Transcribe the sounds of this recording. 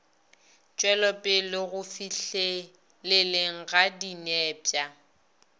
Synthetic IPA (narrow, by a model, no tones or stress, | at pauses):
t͡ʃʼwɛlɔpʼɪlɪɣʊfiɬe | leleŋ̩ɣadinɛːpʼja